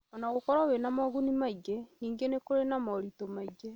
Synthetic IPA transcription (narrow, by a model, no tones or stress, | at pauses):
ɔnaɣokɔɾawenamɔɣunimaiɣeniːŋɡenekoɾenamɔɾitomaiɣe